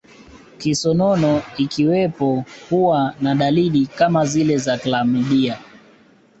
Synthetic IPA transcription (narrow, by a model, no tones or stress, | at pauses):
kisɔnɔnɔikiwɛpɔkuwanaɗaliɗikamazilɛzaklamiɗia